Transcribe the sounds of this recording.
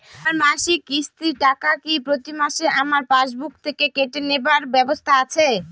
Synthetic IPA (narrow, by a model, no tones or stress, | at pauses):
aaɾmaʃikist̪iʈakakipɾot̪imaʃeʔamaɾpaʃbuk̚t̪ʰekekeʈenebaɾbɛbost̪ʰaat͡ɕʰe